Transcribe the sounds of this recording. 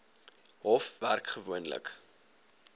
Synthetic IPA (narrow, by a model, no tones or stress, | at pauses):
ɦɔfværkχəvuənlə̰k